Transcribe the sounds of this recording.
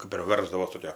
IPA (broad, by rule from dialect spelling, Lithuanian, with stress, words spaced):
kɐp ɪr ˈʋʲɛrzdɐʋoːs toːˈkʲoː